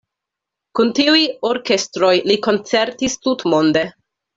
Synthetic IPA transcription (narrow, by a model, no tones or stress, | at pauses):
kuntiujoɾke̞stɾo̞jliko̞nt͡se̞ɾtistutmo̞nde̞